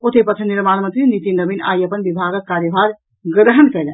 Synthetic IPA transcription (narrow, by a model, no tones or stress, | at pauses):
ot̪epət̪ʰəniɾmanmənt̪ɾinit̪inəbina̰jəpənbibʱaɡəkːaɾjəbaɾ | ɡɾəɦənkɛjlɛ̰n